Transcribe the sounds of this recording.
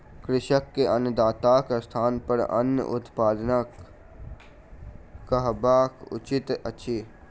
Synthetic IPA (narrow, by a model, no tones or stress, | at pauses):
kɾɪʃəkːeʔɐnəd̪aːt̪aːkst̪ʰaːnpəɾɐ̰njə̰ʔʊt̪paːd̪nak | əɦbaːkʊ̰t͡ʃɪt̪ɐtːʃʰiː